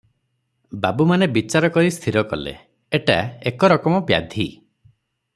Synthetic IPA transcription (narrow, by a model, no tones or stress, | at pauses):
babumanebit͡ʃaɾɔkɔɾist̪ʰiɾɔkɔ̰lḛ | eʈa̰ekɔɾɔkɔmɔbja̰d̪ʱi